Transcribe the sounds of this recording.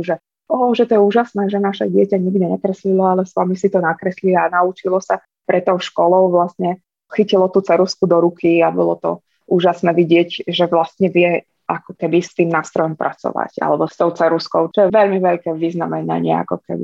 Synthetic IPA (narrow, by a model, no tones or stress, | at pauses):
ʒɛ | ɔːʒɛt̪ɔjɛuːʒasnɛːʒɛnaʃɛɟɪɛcaɲiɡd̪iɲɛkɾɛslilɔalɛsʋamisit̪ɔnakɾɛslianaut͡ʃilɔsa | pɾɛt̪ːɔʊʃkɔlɔʊʋlast̪ɲɛ | xicilɔt̪uːt͡sɛɾuskud̪ɔɾukʰiabɔlɔ̰t̪ɔ̰ | ʔuːʒasnɛːʋiɟɪɛɟʒɛʋlast̪ɲɛʋɪjɛ | akɔkɛbist̪iːmnaːst̪ɾɔjɔmpɾʔa̰t͡sɔ̰ʋa̰ca̰lɛbɔst̪ɔʊt͡sɛɾuskɔʊt͡ʃɔjɛʋɛʎmiʋɛʎkɛːʋiznamɛna̰ɲɪɛ̰a̰kɔkɛ̰bḭ